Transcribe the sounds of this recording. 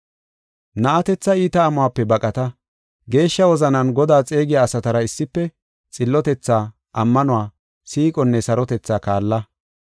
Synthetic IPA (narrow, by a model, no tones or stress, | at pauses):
nɐʔɐt̪ɛt͡sːɐiːt̪ɐːmʊwaːpːɛbɐkʼɐt̪ɐ | ɡe̞ːʃːɐwɔzɐnɐnɡɔd̪aːt͡sʼe̞ːɡɪjaːsɐt̪ɐɾɐɪsːɪpːɛ | t͡sʼɪlːɔt̪ɛt͡sːaː | ʔɐmːɐnʊwaː | siːkʼɔnːɛsɐɾɔt̪ɛt͡sːaːkaːlːɐ